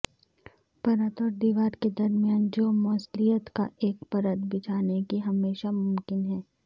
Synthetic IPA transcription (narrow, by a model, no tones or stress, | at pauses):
pɐɾət̪ɔːɾd̪iːʋaːɾked̪ɐɾmjaːnd͡ʒoːmɔːslijət̪ka̰ʔeːkpɐɾəd̪bɪt͡ʃʰaːnekiɦɐmeːʃamʊmkɪnɦɛː